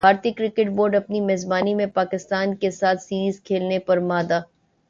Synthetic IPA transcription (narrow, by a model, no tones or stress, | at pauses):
aːɾt̪ikɾɪkɪʈ̚boːɾɖɐpnimeːzbaːnimẽpaːkɪst̪aːnkesaːt̪ʰsiːɾiːzkʰeːlnepɐɾmaːd̪aː